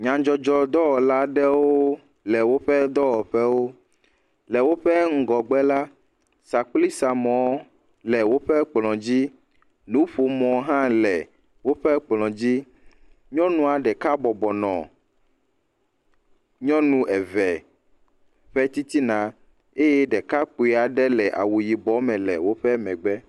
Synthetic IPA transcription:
ɲã˨d͡ʒɔ˦d͡ʒɔ˦d̪ɔ˦wɔ˨la˦ɖɛ˦woo˦ | lɛ˨wo˦ɸɛ˦d̪ɔ˦wɔ˨ɸɛ˦wo˦ | lɛ˨wo˦ɸɛ˦ŋ̩˦ɡɔ˨ɡ͡bɛ˦la˦ | sa˨k͡pli˦sa˨mɔ̃˨˦ | lɛ˨wo˦ɸɛ˦k͡plɔ̃˨d͡ʑi˦ | nũ˨˦ɸo˨mɔ̃˨ɦã˦lɛ˨ | wo˦ɸɛ˦k͡plɔ̃˨d͡ʑi˦ | ɲɔ̃˦nũ˦a˨ɖɛ˨ka˦bɔ˨bɔ˨nɔ̰̃˨ | ɲɔ̃˦nũ˦ʔɛ˨vɛ˨ | ɸɛ˦t̪i˦t̪i˦nã˨ | e˦jɛ˦ɖɛ˨ka˦k͡po˨i˨a˨ɖɛ˦lɛ˨ʔa̰˨wu˨ji˨bɔ˨˦mɛ̃˨lɛ̰˨wo˦ɸɛ˦mɛ̃˨ɡ͡bɛ˦

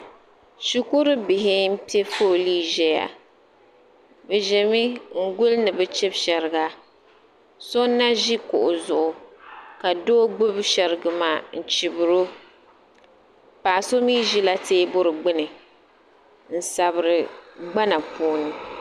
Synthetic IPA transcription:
ʃi˦ku˦ɾɨ˦bɪ˨ɦɪ˦m̩˦pi˦e˦foː˦˨liː˦ʒɛ˦ja̰˨ | bɛ˨ʒɛ˨mi˦ŋ̩˦ɡʊ˦lnɨ˨bɛ˦t͡ʃɛ˦bʃɛ˨ɾɪ˨ɡa˦ | so˦nːa˦ʒi˦kʊ̰˨ʔʊ˨zʊ˨ʔʊ˨ka˨doː˦ɡ͡bʊ˦bʃɛ˨ɾɨ˨ɡɨ˦maː˦˨n̩˨t͡ʃi˨bɨ˨ɾo˦ | paː˨so˦miː˦ʒi˦la˦teː˦bʊ˦ɾɨ˨ɡ͡bɪ˦nɨ˨ | n̩˨sa˨bɨ˨ɾɨ˨ɡ͡ba˦na˨pʰoː˦nɨ˦

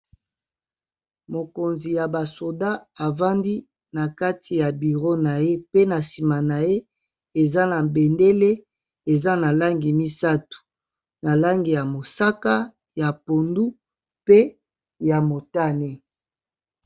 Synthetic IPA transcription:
mo˨ko˨nzi˨ja˨ba˨so˨da˦a˨va˦ndi˦ | na˨ka˦tʰi˨ja˨bi˨ʁo˦na˨je˦pe˦na˨si˨ma˨na˨je˦ | e˨za˦na˨be˨nde˦le˦ | e˨za˦na˨la˦ŋɡi˨mi˦sa˦tu̥˨ | na˨la˦ŋɡi˨ja˨mo˨sa˦ka˦ | ja˨po˨ndu˦ | pe˦ | ja˨mo˨ta˦˨ne˦

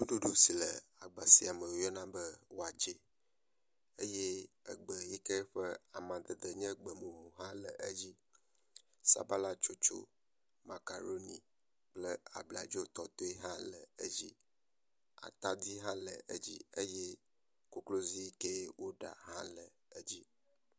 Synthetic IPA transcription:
wu˦ɖu˦ɖu˦si˨lə̰˨a˨ɡ͡ba˨si˨a˨mə˨wo˨˦jɛ˦nã˦bə˦wo˦a˨d͡ʒe˦ | e˦je˦ə˨ɡ͡bə˨ji˦ke˦ɸə˦a˨mã˨d̪ə˨d̪ə˨ɲɛ̃˦ɡ͡bə˨mõ˨ɦo˨ɦã˦lə˨ʔə˦d͡ʑi˦ | sa̰˦ba˦la˦t͡ʃo˦t͡ʃo̰˦ | ma̰˨ka˨ɾo˦ni˨ | k͡plə˦a̰˨bla̰˨d͡ʒo˦t̪ɔ˨t̪o˦i˦ɦã˦lə˨ə˦d͡ʑi˦ | a̰˨t̪a˦d̪i˦ɦã˦lə̰˨ʔə˦d͡ʑi˦ə˦je˦ | ko˦klo˦zi˦i˦ke˦wʔo˦ɖa̰˨ɦã˦lə˨ | ə˦d͡ʑi˦

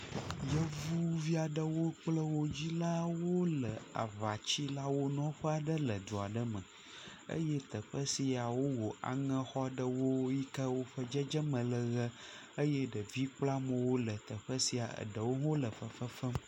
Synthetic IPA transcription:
jə˦vu˦vi˦a˨ɖə˦wo˦k͡plə˦wo˦d͡ʑi˦la˦wo˦lə˨a̰˨va˨t͡ɕi˦la˦wo˦nɔ̃˦ɸə˦a˨ɖə˦lə˨d̪u˨a˨ɖə˦mə̰̃˨ | ə̰˦jɛ˦t̪ə˨ɸə˦si˦a˨wo˦wo˨a̰˨ŋə̃˦xɔ˦ɖə˨wo˦ji˦kə˦wo˦ɸə˦d͡ʒə˦d͡ʒə˦mə̃˨lə˨ɣə˦ | ə˦jɛ˦ɖə˨vi˦k͡pla˦mə̃˨wo˦lə˨t̪ə˨ɸə˦si˦a˨ə̰˨ɖə˨wo˦ɦõ˦lə˨ɸə˨fə˦fə˦m

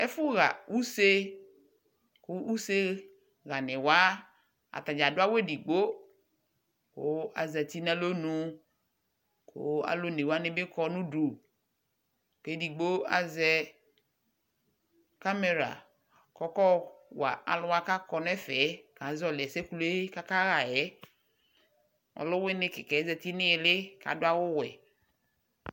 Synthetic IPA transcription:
ɛ˦fʊ˦ɣa˨u˦se˦ | kʊ˦u˦se˦ | ɣa˨nɪ̃˨wa˦ | a̰˨t̪a˨d͡ʒa˨dʊ˦a˦we˦di˨ɡ͡bo˦ | kʊ̰˦a̰˨zɛ˨t̪i˦n˦a˦lo˦nũ˦ | kʊ̰˦a̰˦lo˦ne˨wa˦nɪ˦bɪ˦kɔ˦nũ˦du˨ | ke˨˦di˨ɡ͡bo˦a̰˨zɛ˦ | ka˦me˨ɾa̰˨ | kɔ˦kɔ˦wa̰˨a˨lʊ˦a˦ka˦kɔ˨nɛ˦fɛ˨˦ka˨˦zɔ˨lɪ˨ɛ˨sɛ˦ku˨˦lka˦ka˦ɣa˨jɛ˦ | ɔ̰˨lʊ˦wɪ˦nɪ̃˦kɪ˨kɛ˨˦za˨t̪i˦nɪ̃˦ɛ˨lɪ˦ka̰˨dʊ˦a˦wʊ˦wɛ˨

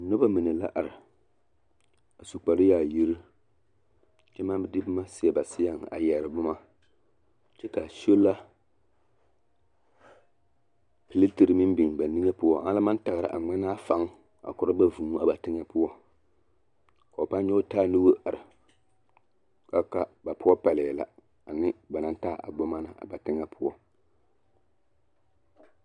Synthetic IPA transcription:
nʊ˦ba˦mɨ˨nɨ˨la̰˦ʔa˨ɾɨ˨ | a˨su˨k͡pa˨ɾɨ˦jaː˨ji˦ɾi˦ | t͡ʃɛ˦ma˦bdɪ˦bɨ˦ma˦si˦jɛ˨ba˨sɪ˦ja˨ŋ˨a̰˨jɛ˨ɾɨ˨bʊ˦ma˦ | t͡ʃɛ˦ka˨ʃo˦la˦ | pɨ˨li˦ti˨ɾɨ˨mi˦m˦bi˨ŋ˨ba˨ni˦ŋɛ˦pʊ˦ɔ˦ha˦la˦ma˦n˦ta˨ɣɨ˨ɾa̰˨ʔa̰˨ŋ͡ma˦naː˦fa˦ŋ | a̰˨kʊ˨ɾɨ˦ba˦vu˨mu˦a˨ba˨tɪ˦ŋa˦pʊ˦ɔ˦ | ka˨o˨pa˦n˦ɲo˦taː˦nu˦bo˦ʔa˨ɾɨ˨ | ka˦ka˦ba˨pʊ˦ɔ˦pa˨lɪ˨la̰˨ | a˨nɪ˦ba˨na˦n˦ta˦˨ʔa̰˨bo˦ma˦na˨ʔa̰˨ba˨tɪ˦ŋa˦pʰʊ˦ɔ˦

